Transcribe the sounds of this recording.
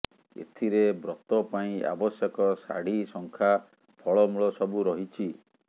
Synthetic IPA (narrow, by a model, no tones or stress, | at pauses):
ḛt̪ʰiɾebɾɔt̪ɔpaĩa̰bɔsjɔkɔsa̰ɽisɔŋkʰa | pʰɔɭɔmuɭɔsɔbuɾɔɦit͡ʃʰi